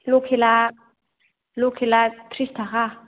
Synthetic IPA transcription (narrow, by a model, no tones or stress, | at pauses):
lokʰela | lokʰelat̪ʰɾistʰaɣa